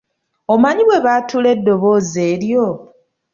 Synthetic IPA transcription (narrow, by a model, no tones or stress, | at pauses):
omaɲiβwe̞βaːtʰuːle̞dːo̞βo̞ːze̞ːɾjo̞